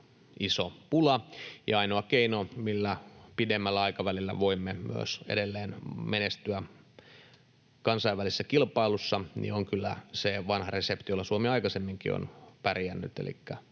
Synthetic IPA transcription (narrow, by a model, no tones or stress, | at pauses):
isopulɑjɑɑinoɑkeinomilːæpidemːælːæɑikɑʋælilːæ̰ʋoimːemyø̰sḛdelːeːnmenest̪yæ | kɑnsɑiʋːælisːækilpɑilusːɑnḭoŋkylːæ̰seʋɑnhɑresept̪ijolːɑsuomiɑikɑsemːiŋkḭo̰npærijænːy̰t̪ḛlḭkːæ